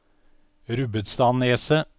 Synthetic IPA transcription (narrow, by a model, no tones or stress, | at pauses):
ɾʉbət̪st̪ɑːneːsə